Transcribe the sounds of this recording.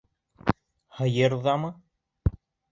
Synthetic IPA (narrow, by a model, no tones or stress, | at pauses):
hɤ̆jɤɾðɑmɤ